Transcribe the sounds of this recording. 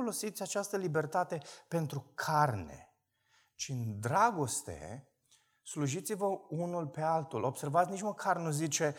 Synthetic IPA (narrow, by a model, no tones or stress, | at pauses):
olo̞sit̪sʲat͡ʃast̪əlibe̞rt̪at̪e̞pe̞nt̪ɾukʰarne̞̰ | t͡ʃind̪ɾaɡo̞st̪e̞̰ | sluʒit̪sivəunulpe̞alt̪ulʔo̞b̥se̞rvat̪sʲnit͡ʃməkʰarnuzit͡ʃe̞